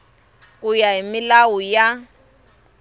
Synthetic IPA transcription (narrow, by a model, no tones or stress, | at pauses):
kʼujaɦimɪlawuja